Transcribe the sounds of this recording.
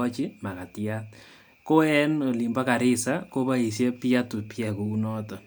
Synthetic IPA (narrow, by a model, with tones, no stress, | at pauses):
ɔ˦t͡ʃi˦ma˨ka˨tjat̪̚ | ko˦ɛ˦noli˨mba˦ka˨ɾɪ˦sako˦ba˦i˨s̬je˦pja˦tu˨pjɛ˨ko˨u˦nɔ˦tɔ˨